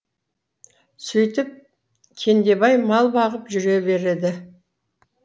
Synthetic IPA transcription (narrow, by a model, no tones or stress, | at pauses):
sɵjt̪ɪp̚ | kʲʰe̞nd̪e̞bɑjmɑlˠbɑʁəpʒʏɾe̞be̞ɾed̪ɪ